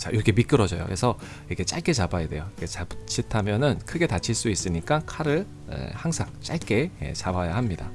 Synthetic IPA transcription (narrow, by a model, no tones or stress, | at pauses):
t͡ɕa̰ʔiɾʌkʰe̞mik͈ɯɾʌd͡ʑʌ̰jo̰kesʰʌ | iikʰet͡ɕ͈aɭk͈e̞t͡ɕabajede̞jokʰet͡ɕabt͡ɕʰitʰamjʌnɯnkʰɯɡe̞tat͡ɕʰiɭs͈uis͈ɯɲik͈akʰaɾɯɭ | ḛhaŋsʰaŋt͡ɕ͈aɭk͈e̞ḛt͡ɕabajahamɲida̰